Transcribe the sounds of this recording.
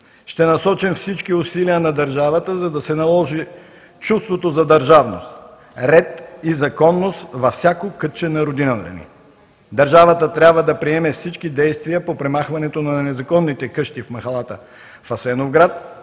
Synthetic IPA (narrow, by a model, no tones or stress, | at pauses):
ʃt̪ɛnɐsɔt͡ʃimfsit͡ʃkiʊsiliənɐd̪ɐɾʒavət̪əzɐd̪ɐsɛnɐlˠɔʒi | t͡ʃust̪vot̪ozɐd̪ɐɾʒavno̰st̪ | ɾɛt̪izɐkɔnːost̪vɐfsʲjakokɤt͡ʃɛnɐɾod̪inət̪ə̰nḭ | d̪ɐɾʒavət̪ət̪ɾʲabvəd̪ɐpɾiɛmɛfsit͡ʃkid̪ɛjst̪vijəpopɾɛmaxvɐnɛt̪onɐnɛzɐkɔnːit̪ɛkɤʃt̪ifmɐxɐlˠat̪ə | fɐsɛnovɡɾat̪̚